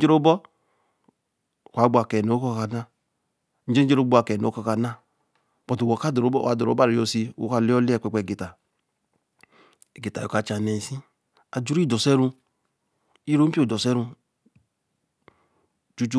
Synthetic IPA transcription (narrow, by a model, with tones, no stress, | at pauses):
d͡ʒe˦ɾo˦bɔ˦˨ | kʷa˨˦ɡ͡bu˦a˨kɛ˨no˨˦kɔ˦ka˨na˦ | n̩˦d͡ʒe˦d͡ʒe˦ɾo˦ɡ͡bo˦a˨kɛ˨no̰˨˦kɔ˦ka˨na˦ | pɔ˨to˨wo˨ka˦do˨ɾo˦bɔ̰˦a̰˨do˨ɾo̰˨˦a˦ɾi˨jo˨si˧˨o̰˦ka˦˨li˦ɔ˦li˦ɛ˦˨k͡pɛ˨k͡pʷe˨ɡe˨ta˨ | e˨ɡi˨ta˨jo̰˨ka˨t͡ʃa˨ne˨si˦ | a˨d͡ʒu˦ɾi˦˨dɔ˨sɛ˦ɾu˧ | i˦ɾo˦m̩˦i˦o˨dɔ˨sɛ˦ɾu˧ | t͡ʃu˦t͡ʃu˦